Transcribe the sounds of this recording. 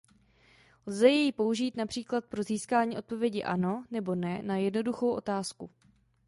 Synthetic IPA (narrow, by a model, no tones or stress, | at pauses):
lzɛjɛjipo̞uʒiːt̪napr̝̥iːklat̪̚pɾo̞ziːskaːɲiːʔo̞t̪̚po̞vjɛɟɪʔa̰no̞nɛbo̞nɛnajɛdno̞duxo̞wʔo̞̰t̪aːsku